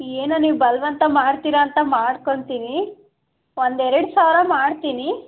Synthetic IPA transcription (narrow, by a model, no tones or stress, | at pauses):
eːnɐniːʋbɐlʋɐnt̪ɐmaːɽt̪iːɾɐːnt̪ɐmaːɽkoɳt̪iːni | ʋond̪ɛɾɐɽsaːʋɾɐmaːɽt̪iːni